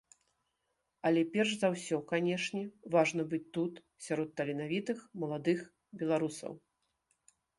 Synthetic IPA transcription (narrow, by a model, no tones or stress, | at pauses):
ɐlʲɛpʲɛrʂzawsʲɔkanʲɛʂnʲɛvaʐnɐbɨt͡sʲt̪ut̪ | sʲaɾɔt̪ːɐlʲinavʲit̪ɨxmɐlˠad̪ɨx | bʲɛlˠaɾusɐ̰w